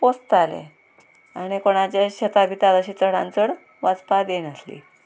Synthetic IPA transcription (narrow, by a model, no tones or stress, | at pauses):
post̪alḛ | aɽ̃ikoɽ̃at͡ɕjaɕət̪abʱiːt̪aləɕiːt͡səɽ̤ã̰nt͡səɽ | ʋad͡zpad̪enəslḭ